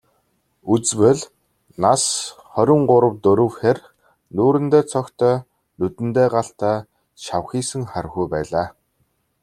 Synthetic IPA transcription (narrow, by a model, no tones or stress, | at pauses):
ut͡swɘ̆ɮ | nasχœɾʲɪ̆ɴɢʊɾə̆wt̪ɵɾɵ̆wxer | nuːɾɘ̆nt̪eːt͡sʰɔkt̪ʰœː | nut̪ɘ̆nt̪eːɢaɬt̪aː | ʃawxiːsɘ̆ŋχarɣujpæːɮaː